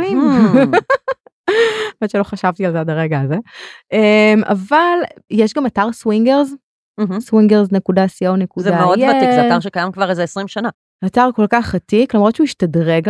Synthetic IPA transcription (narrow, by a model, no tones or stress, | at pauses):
im | ametʃelo̞χaʃavt̪ialzadaʁeɡaːzeema̰valjeʃɡamataʁswiŋɡeʁz | m̩ɦ̩swiŋɡeʁzne̞kudasiownekuzedameodjeatizat̪aʁʃekajamkvaʁezeesʁimʃana | ataʁko̞lkaχatiklamʁo̞dt͡ʃeuiʃtadʁeɡ